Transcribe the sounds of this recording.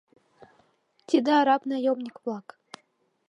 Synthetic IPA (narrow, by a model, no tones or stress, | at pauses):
t̪ʲid̪eɑɾɑpnɑjomnʲikvlˠɑk